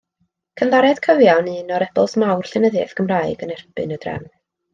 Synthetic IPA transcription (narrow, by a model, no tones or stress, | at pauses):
kʰənðaɾɛd̥kʰəvjanɨnɔɾɛbɔlˠsmawr̥ɬɪnəðjɛ̰θɡ̥əmraɨɡənɛrbɨnədrɛ̰m